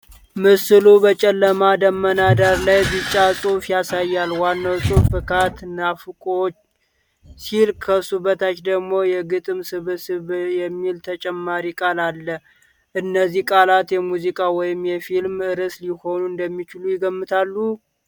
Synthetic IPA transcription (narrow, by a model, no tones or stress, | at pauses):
mɨsɨlubət͡ʃʼɛlːəmad̪əmːənad̪aɾlajzɨt͡ʃʼːasʼufjasajːalwanːawsʼufɨkʰat̪ɨnafɨkʼot͡ʃː | silkʰəsuβət̪ʰat͡ʃd̪əɡmo̞jɛɡɨt̪ʼɨmsɨβɨsɨβjɛmːilt̪ʰət͡ʃʼɛmːaɾikʼalalːə | ʔɨnːəzːihkʼalat̪jɛmuzikʼawɔjɪmjɛfilmɨɾɨsliho̞nuɨnd̪əmːit͡ʃɪlujɪɡəmːɨt̪ʰalːu